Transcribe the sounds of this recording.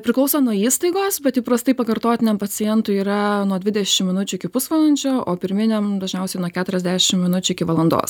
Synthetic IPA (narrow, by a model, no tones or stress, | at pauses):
pʲɾʲɪklˠɐʊsoːnuɔiːst̪ɐɪɡoːsbʲɛt̪jʲipɾɐst̪ɐɪpɐkɐɾt̪oːt̪ʲɪnʲɛmpɐt͡s̪ʲɪjɛnt̪ʊiːɾɐnuɔd̪ʲʋʲɪdʲɛʃʲɪmmʲɪnʊt͡ʃʲʊɪkʲɪpʊsʋɐlˠɐnʲt͡ʃʲoːoːpʲɪɾʲmʲɪnʲɛmd̪ɐʒʲnʲɛʊsʲɛɪnuɔkʲæːt̪ʊɾʲɛzd̪ʲæːʃʲɪmmʲɪnʊt͡ʃʲʊɪkʲɪʋɐlˠɐnd̪o̰ːs